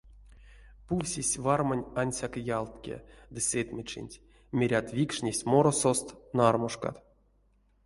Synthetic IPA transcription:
puwʲsʲisʲvarmanʲanʲsʲakjalˠt̪kʲḛd̪ɨsʲet̪ʲmʲet͡ʃḭnʲtʲ | mʲeɾʲat̪vʲikʂnʲesʲmoɾosost̪narmoʂka̰t̪

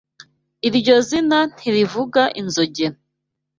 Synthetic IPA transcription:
iɾɟo̞zinan̥iɾivuɡaʔinzoɟen

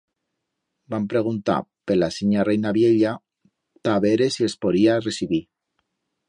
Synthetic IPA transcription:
bampɾeɣ̞unt̪a̰pelasiɲarejnaβjeʎa | t̪aβeɾesiespoðiaresiβi

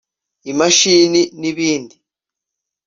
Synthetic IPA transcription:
imaʃininiβiːndi

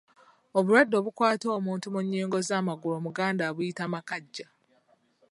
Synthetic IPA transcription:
oβuɾadːo̞ːβukwaːto̞ːmuːntumuɲːiːŋɡo̞zaːmaɡulomuɡaːndaβujitamakaɟːa

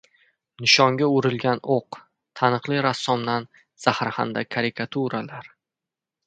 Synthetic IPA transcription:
nɪʃɒŋɡʲaʊɾɪlɡʲanoq | t̪ʰanɨqlˠɪɾasːɒmd̪an | z̥ahɾha̰nd̪akʰaɾɪkʰat̪ʰuɾalaɾ

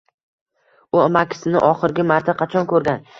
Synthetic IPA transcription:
ʊamakʲʰɪ̥sɪnɪʔɒχɪɾɡʲɪmaɾt̪ʰaqʰɑt͡ʃʰɒnkɵɾɡʲan

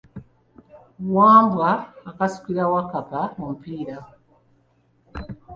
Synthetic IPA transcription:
waːmbwaːkasu̥kiɾawakapamomupiːɾa

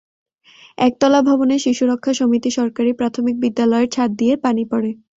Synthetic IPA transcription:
ɛk̚t̪ɔlabʱɔboneʃiʃuɾokʰːaʃomit̪iʃɔɾkaɾipɾat̪ʰomik̚bid̪ːalɔeeɾt͡ɕʰat̪̚d̪ijeɾpanipɔɾe

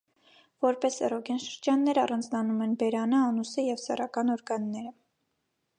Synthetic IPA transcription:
vɔɾpɛsɛrɔɡɑnʃəɾd͡ʒɑnːɛɾɑrɑnd͡znɑnumɛnbɛɾɑnəɑnusəjɛvsɛ̰rɑkɑnɔɾɡɑnːɛɾə

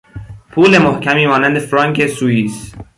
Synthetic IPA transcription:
pʰuːlemohcʲʰæmiːmɒːnænd̪efɾɒŋkʰesuiːs

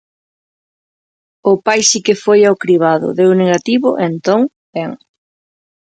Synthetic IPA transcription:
ʊpajsikɪfojawkɾiβ̞aðʊ̰ðewneɣat̪iβʊʔent̪oŋ | bɛŋ

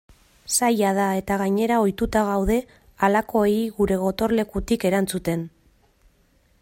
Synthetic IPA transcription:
sajað̞ae̞t̪aɣaɲe̞ɾao̞jt̪ut̪aɣawðe̞ | alako̞eiɣuɾe̞ɣ̞o̞t̪o̞ɾle̞kut̪ike̞ɾant͡sut̪e̞n

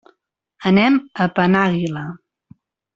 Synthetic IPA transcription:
ənɛməpənaɣilə

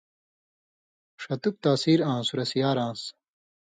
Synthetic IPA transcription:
ʂɐt̪uk̚t̪aːsiːɾãːsuɾɐsijaːɾãːs

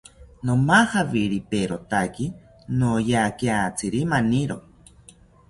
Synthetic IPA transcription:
nomahaβiɾipeɾot̪aki | nojakiat͡sʰiɾimaniɾo

